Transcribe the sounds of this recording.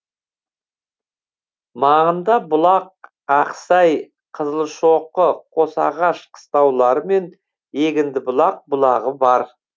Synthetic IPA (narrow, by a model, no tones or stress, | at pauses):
mɑʁənd̪ɑbʊlˠɑq̚ | ɑqsɑj | qʰəzəlˠʃoqːəqʰo̞sɑ̰ʁɑʃqʰə̥st̪ɑwlˠɑɾəme̞n | e̞ɡʲɪnd̪ɪbʊlˠɑq̚bʊlˠɑʁəbɑɾ